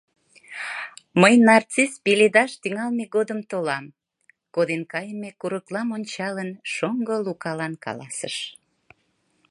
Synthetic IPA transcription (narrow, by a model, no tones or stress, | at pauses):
məjnɑrt͡sispiled̪ɑʃt̪yŋɑlmeɡod̪əmt̪olɑm | kod̪enkɑjəmekuɾəklɑmonʲt͡ɕɑlənʃoŋɡolukɑlɑnkɑ̰lɑsə̰ʃ